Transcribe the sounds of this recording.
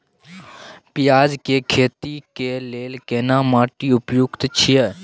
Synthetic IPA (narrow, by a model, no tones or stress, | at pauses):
pɪjaːd͡ʒkeːkʰeːt̪iːkeːleːlkeːnãːmaːʈiːʊpjʊɡt̪t͡ʃʰije